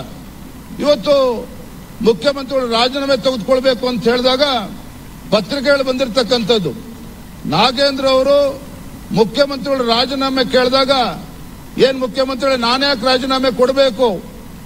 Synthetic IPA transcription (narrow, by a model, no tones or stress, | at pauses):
iʋɐt̪ːu | mukʰjɐmɐnt̪ɾiɡɐɭuɾaːd͡ʒɐnaːmet̪ɐɡud̪kɔɭbeːkuɐnt̪ɦeːɭd̪aːɡɐ | pɐt̪ːɾik̬ɛɡɐɭubɐnd̪iɾt̪ɐkːɐnt̪ɐd̪ːu | naːɡeːnd̪ɾɐɐʋɐɾu | mukʰjɐmɐnt̪ɾiɡɐɭuɾaːd͡ʒɐnaːmekeːɭd̪aːɡɐ | eːnmukʰjɐmɐnt̪ɾiɡɐɭinaːnjaːk̬ɾaːd͡ʒɐnaːmekɔɽbeːku